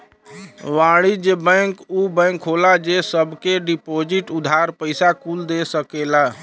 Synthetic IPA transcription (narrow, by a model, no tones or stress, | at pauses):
ʋaɽid͡ʒebə̃ŋkubə̃ŋkɦolad͡ʒesəbʱkeɖipod͡ʒiʈud̪ʱaɾpəɪsakuld̪esəkela